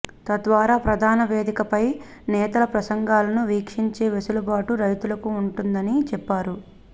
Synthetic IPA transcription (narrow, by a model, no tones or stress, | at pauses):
t̪ɐd̪ʋaːɾaːpɾɐd̪ʱaːnɐʋeːd̪ikɐpɐj | nɛːt̪ɐlɐpɾɐsɐŋɡaːlɐnuʋiːkʂiɲt͡ʃe̞ːʋesulɐbaːʈuɾɐjt̪ulɐkuːɳʈund̪ɐnit͡ʃɛpːaːɾu